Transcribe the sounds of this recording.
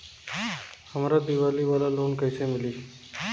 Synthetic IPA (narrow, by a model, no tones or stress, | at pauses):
həmɾad̪iʋaliːʋalalonkajsemiliː